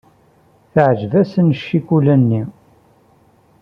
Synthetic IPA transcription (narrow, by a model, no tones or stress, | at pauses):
θəʕʒvæsənəʃːikulænːi